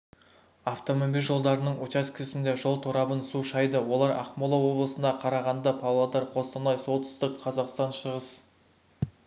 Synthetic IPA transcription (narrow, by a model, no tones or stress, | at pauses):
ɑft̪o̞momijlʲʒo̞lˠd̪ɑɾənəɴwot͡ʃɑzkʲʰɪsɪnd̪e̞ʒo̞lˠt̪ʰoɾɑbənsuʃɑjd̪əwo̞lˠɑɾɑ̰qmolˠɑwo̞blˠəsənd̪ɑqʰɑɾɑʁɑnd̪ɑpʰɑwlˠɑd̪ɑɾqʰo̞st̪ɑnɑjso̞lˠt̪ə̥st̪əqʰɑzɑqst̪ɑnʃəʁəs